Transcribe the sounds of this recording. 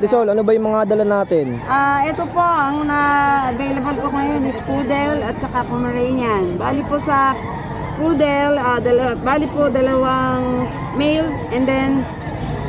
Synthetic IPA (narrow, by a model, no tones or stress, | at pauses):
d̪ɪsolʔɐnobɐjʊŋmɐŋad̪ɐlɐnaːt̪ɪnʔaʔɛt̪opo̞ʔɐŋnaɐvejlɐbɐlpoŋɐjo̞nɪspuːd̪ɛlɐt̪̚t͡ʃɐkakomɐɹɛjnɐnbaːlɪposɐ | kud̪ɛlad̪ɐlbaːlɪpod̪ɐlɐwaŋ | mɛjlʔɛnd̪ɛn